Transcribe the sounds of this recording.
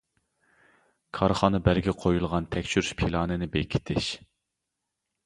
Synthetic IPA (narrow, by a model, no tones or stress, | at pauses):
kʰɑɾχɑːnɨbæɾɡʲɛqʰojulˠʁɑnt̪ʰɛkʲt͡ʃʰyɾyʃpʰilˠɑːnɨnɪbekʲʰi̥t̪ʰɪʃ